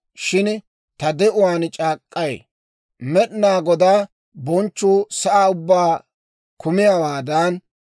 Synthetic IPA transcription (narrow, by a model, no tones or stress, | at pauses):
ʃɪn | t̪ɐd̪ɛʔʊwaːnt͡ʃʼaːkʼːɐj̰ | mɛɗnaːɡɔd̪aː | bɔnt͡ʃːuːsɐʔaːʊbːaː | kʊmɪjɐwaːd̪ɐn